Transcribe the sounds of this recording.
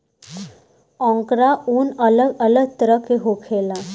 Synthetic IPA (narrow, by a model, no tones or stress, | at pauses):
ɔ̃ːŋkɾaʔuːnələɡələɡ̚t̪əɾəkːeɦoːkʰeːlaː